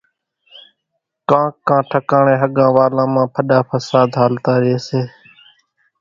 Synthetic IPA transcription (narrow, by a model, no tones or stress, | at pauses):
kãːkːãːʈʰəkaːɳẽːɦəɠãːʋaːlãːmãːpʰəɗaːpʰəsaːd̪ɦaːlt̪aːɾɪeːseː